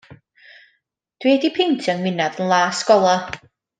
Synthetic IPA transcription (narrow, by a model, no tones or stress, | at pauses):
d̥weːdipʰentʰanwɪnaðənlˠaːskɔlˠɔ